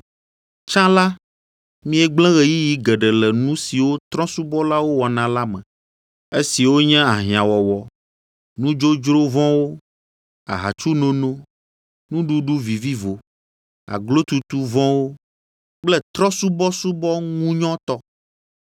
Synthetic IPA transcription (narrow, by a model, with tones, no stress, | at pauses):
t͡ʃã˦la˦ | mĩ˦ɛ˨ɡ͡blɛ̃˦ɣɛ˨ji˦ji˦ɡɛ˨ɖɛ˨lɛ˨nũ˦si˨wo˦t̪ɾɔ̃˦su˦bɔ˦la˦wo˦wɔ˨nã˨la˦mɛ̃˨ | e˦si˨wo˦ɲɛ̃˦a˨ɦĩ˨ã˨wɔ˨wɔ˨ | nũ˦d͡ʒo˦d͡ʒɾo˦vɔ̃˦wo˦ | a̰˨ɦa̰˨t͡ʃu˦nõ˦nõ˦ | nũ˦ɖu˦ɖu˦vi˨vi˦vo˨ | a̰˨ɡlo˦t̪u˦t̪u˦vɔ̃˦wo˦ | k͡plɛ˦t̪ɾɔ̃˦su˦bɔ˦su˦bɔ˦ŋũ˦ɲɔ̃˦t̪ɔ˦